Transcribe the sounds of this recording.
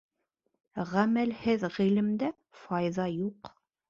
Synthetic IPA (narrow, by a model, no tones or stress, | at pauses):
ʁæmælhɘðʁilɘ̆md̪æ | fɑjðɑjuq